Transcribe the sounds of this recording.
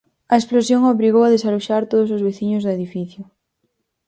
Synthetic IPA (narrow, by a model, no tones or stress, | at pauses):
ɐesplosjoŋoβɾiɣowaðesaluʃaɾt̪oðosozβeθiɲʊzðʊeðifiθjʊ